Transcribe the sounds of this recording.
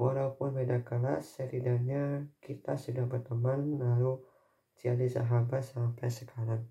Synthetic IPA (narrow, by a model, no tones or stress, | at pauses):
wʔalaupʊnmedakəla̰sːəɾidaɲakit̪asudahbərt̪əmanːalu | t͡ʃialisa̰ɦabat̪sampajsəkʰaɾaŋ